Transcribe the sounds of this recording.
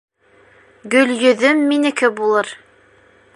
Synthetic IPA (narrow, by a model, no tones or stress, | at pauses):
ɡɵ̆ljɵ̆ðɵmːinɘ̆kɘbulˠɤɾ